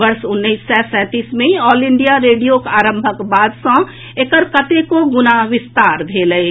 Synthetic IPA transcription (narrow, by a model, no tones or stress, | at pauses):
ʋəɾsʊnːəisːɛsɛ̃t̪iːsmẽɔːlɪ̃ɳɖijaɾeːɖijokaːɾə̃mbʱəkbaːd̪sə̃ | ekəɾkət̪ekoɡʊnaʋɪst̪aːɾbʱeːləj